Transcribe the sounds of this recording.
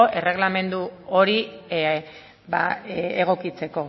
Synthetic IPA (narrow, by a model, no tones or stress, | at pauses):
oʔe̞re̞ɣlame̞nd̪uo̞ɾi | ba̰eɣ̞o̞kit͡se̞ko̞